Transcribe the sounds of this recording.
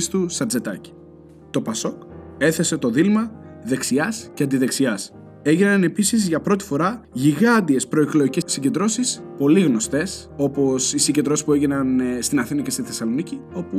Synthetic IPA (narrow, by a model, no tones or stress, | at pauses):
st̪usɐd͡ze̞t̪ɐci̥ | t̪o̞pɐso̞ke̞θe̞se̞t̪o̞ðilmɐðe̞ksiɐsceɐnd̪iðe̞ksiɐs | e̞ʝinɐne̞pisizʝɐpɾo̞t̪̬i̥fo̞ɾɐʝiɣɐnd̪ie̞spɾo̞eklo̞icesiɟe̞nd̪ɾo̞sispo̞liɣno̞st̪e̞s | o̞po̞sisiɟed̪ɾo̞sspue̞ʝinɐnst̪inɐθinɐce̞st̪iθesɐlo̞nicio̞pu